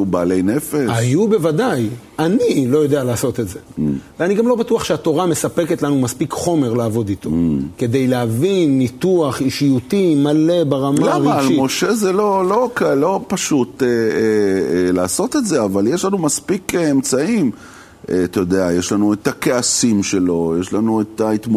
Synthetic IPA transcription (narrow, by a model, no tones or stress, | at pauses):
ubaːlejnefeajube̞vadaj | anilo̞jo̞d̪e̞alaːso̞t̪etzeveaniɡamlo̞batuaχʃeat̪o̞ʁame̞sape̞ket̪lanumaspikχo̞me̞ʁlaaːvo̞d̪it̪o̞ke̞d̪e̞jleavinːituaχiʃijut̪imale̞baʁamalaʁmalimo̞ʃe̞zelo̞lo̞klo̞paʃut̪e | laːso̞t̪e̞t̪zeavaljeʃlanumaspikemt͡saim | at̪ajod̪eajeʃlanuet̪ake̞asimʃe̞lo̞jeʃlanuet̪ait̪mo